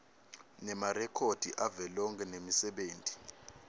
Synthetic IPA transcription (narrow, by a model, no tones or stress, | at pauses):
nɛmarɛkʰod̥ʱiʔavɛlɔŋkʼɛnemisɛɓeːntʼi̥